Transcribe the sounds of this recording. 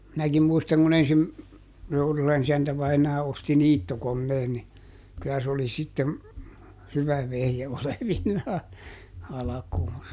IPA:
minækim muistɑŋ kun ensim tourulɑn isæntæ ʋɑinɑː osti niːtːokonːeːn ni kylːæ s oli sitːem hyʋæ ʋehje oleʋinːɑː ɑlɑkuːnsɑ

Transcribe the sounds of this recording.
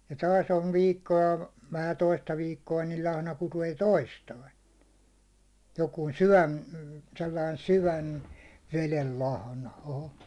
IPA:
jɑ tɑːs on ʋiːkːoɑ ʋæhæ toistɑ ʋiːkːoɑ nil lɑhnɑ kuteː toistɑin̞ jokuːn̞ syʋæn selːɑin syʋæn ʋelel lɑhnɑ oho

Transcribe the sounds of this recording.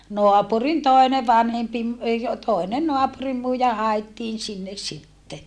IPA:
noɑpurin toˑi̯ne ʋɑnhempi m ei o toˑine noɑpurimːuijɑ hɑetːiːn sinːes sitːe

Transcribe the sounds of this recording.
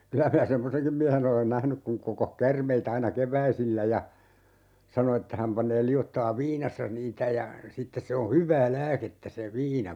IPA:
kylæ minæ semːoseŋkim miæhen olen næhnyk kuŋ kokoh kærmeit ɑinɑ keʋˑæisilːæ jɑ sɑno etːæ hæm pɑnˑeː liotːɑeʋ ʋiːnɑsːɑ niːtæ jɑ sitːes se o hyʋˑæː læːketːæ se ʋiːnɑ

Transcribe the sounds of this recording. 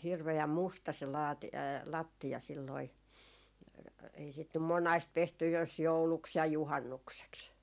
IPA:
hirʋeæm mustɑ se lɑːti lɑtːiɑ silːoi ei sit nym monɑist pestyj jos jouluks jɑ juhɑnːukseks

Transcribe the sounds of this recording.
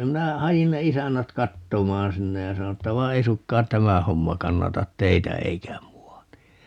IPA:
minæ hɑjin ne isænːæt kɑtːomɑːn sinːe jɑ sɑno etːæ ʋɑi ei sukːɑːn tæmæ homːɑ kɑnːɑtɑt teitæ eikæ muɑ ni

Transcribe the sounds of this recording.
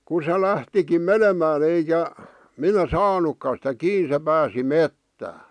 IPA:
ku se læhtikim menemæːn eikæ minæ sɑːnukːɑ sĭtæ kiː se pæːsi metːæː

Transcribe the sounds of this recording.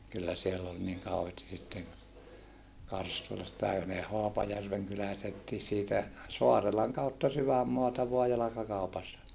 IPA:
kylːæ sielː ol niŋ kɑuheːsti sitːen kɑrstulɑstɑi jɑ ne hoɑpɑjærʋeŋ kylælæisetːiː siːtæ soɑrelɑŋ kɑutːɑ syʋæmːoɑtɑ ʋoɑ jɑlɑkɑkɑupɑsːɑ

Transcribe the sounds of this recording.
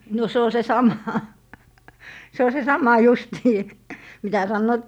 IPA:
no se o se sɑmɑ se o se sɑmɑ justiː mitæ sɑnːoːt

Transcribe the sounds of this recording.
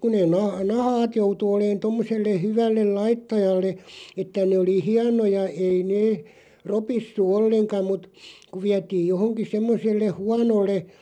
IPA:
ku neːn nɑ nɑhɑːt joutu oleːn tomːoselːe hyʋælːel lɑitːɑjɑlːe etːæ neˑ oli hiɑnojɑ ei neː ropisːu olːeŋkɑ mut ku ʋiætiːj johoŋki semːosˑelːe huɑnolːe

